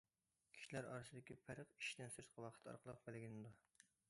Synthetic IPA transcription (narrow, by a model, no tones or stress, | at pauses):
kʲʰi̥ʃilæɾɑ̰ːɾɨsɨd̪ɪkʲipʰæɾəqi̥ʃt̪ɪnsɪɾt̪qʰɑwɑqʰə̥t̪ʰɑ̰ɾqʰəlˠəqbɪlɪɡʲinɪd̪u